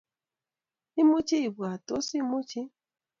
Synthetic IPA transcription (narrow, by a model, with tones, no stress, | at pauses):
i˦mu˦t͡ʃi˦i˨bu˨a˨to˨˦si˦mu˦t͡ʃi˦